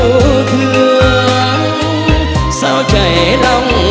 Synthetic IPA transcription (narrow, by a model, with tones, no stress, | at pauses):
t̪ʰɨ˧ | saː˧wt͡ɕə˨˩jlɔ˧wŋ͡m